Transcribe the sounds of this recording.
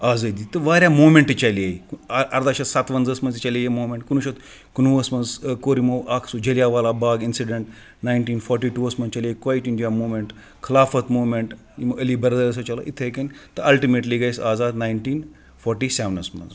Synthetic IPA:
aːzɐd̪it̪ɐʋaːɾʲjamoːmeɳʈt͡ʃaliaiɐɾd̪aːʃɐt̪sat̪ʋɐnd͡zɐsmɐnzit͡ʃalijemoːmeɳʈkunuʃɐt̪ | kunuɐsmɐnzkoɾimowʔakʰsud͡ʒɐljaʋaːlabaːɡinsiɖeɳʈ | najɳʈiːnfɔɾʈiːʈuɐsmɐnt͡ʃaliajikʋaːjʈiɳɖiamoːmeɳʈ | kʰɐlaːfɐt̪moːmeɳʈ | imʔɐliːbɐɾd̪ɐɐs̬ot͡ʃɐla̰ːʔit̪ʰekent̪ɐʔɐlʈimeʈliɡajsaːzaːd̪najnʈiːn | fɔɾʈiːseʋnɐsmɐ̰n

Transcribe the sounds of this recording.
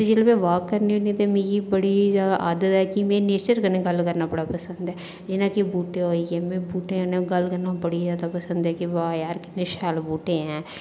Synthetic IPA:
ed͡ʒɪlmẽːʋaːkːəɾnionĩt̪emẽːɡibəɽid͡ʒad̪aʔaːd̪ət̪ɦɛːkimẽːneːt͡ʃəɾkənẽɡəlkəɾnaːpəɽaːpəsə̃nd̪ɛː | d͡ʒɪnãːkibuːʈẽɦoːiɡɛ̃ːmẽːbuːʈẽkːnẽɡəlkəɾnapəɽid͡ʒaːd̪apəsənd̪ɛːkiʋaːjaːɾkɪt̪neʃaːlbuːʈẽɦɛ̃ː

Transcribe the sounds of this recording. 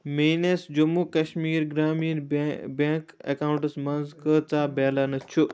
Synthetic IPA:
meːnesd͡ʑumukɐʃmiːɾɡɾaːminbẽkḛkaːʊɳʈəsmɐnzkət͡saːbeːlanɐt͡ʃʰu

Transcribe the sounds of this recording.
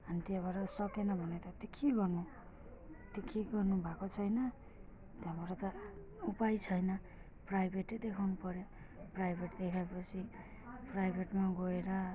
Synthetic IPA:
anʈiabaɾʌsʌkenʌbʱʌnet̪ʌt̪ikʰiɡʌrnu | t̪ikʰiɡʌrnubʱakot͡sʰʌjnʌ | t̪jãmʌɾʌt̪ʌ | upajt͡sʰʌjnʌ | prajbʱeʈːed̪ekʰawnupʌɾjo | prajbʱeʈd̪ekʰaepʌt͡sʰi | prajbʱeʈmaɡoeɾʌ

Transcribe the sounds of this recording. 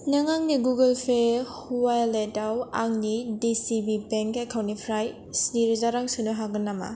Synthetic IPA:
naŋaŋniɡuɡelpʰehuwajletawaŋnidisibibeŋkekʰawnipʰɾaj | sniɾzaɾaŋsunɯɦaɡɯnːama̰

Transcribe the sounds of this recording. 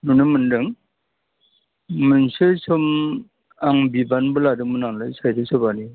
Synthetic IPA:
nunɯmɯndɯŋ | mɯnsesɔm | aŋbibanbɯladɯŋmɯnaŋlajsʰajtʰɯsɯbani

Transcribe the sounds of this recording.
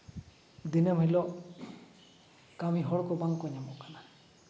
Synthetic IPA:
d̪inamɦilɔʔ | kamiɦɔɽkɔbaŋkɔjɲamɔkana

